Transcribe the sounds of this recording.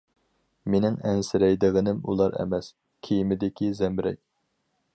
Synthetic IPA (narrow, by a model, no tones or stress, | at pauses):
menɪŋɛnsɪɾɛjd̪ɨʁɨnɪmṵlˠɑɾɛ̰mɛs | kʲʰejimɪd̪ɪkʲʰizɛmɾɛ̰k̚ʲ